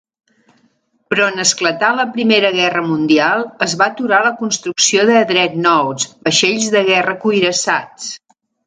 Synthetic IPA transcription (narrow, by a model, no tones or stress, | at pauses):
pɾɔnəsklət̪aləpɾimeɾəɣɛrəmund̪ialˠəzβat̪uɾaləkunst̪ɾuksioðəðɾɛt̪nɔwsbəʃeʎzðəɣ̞ɛrəkujɾəsat͡s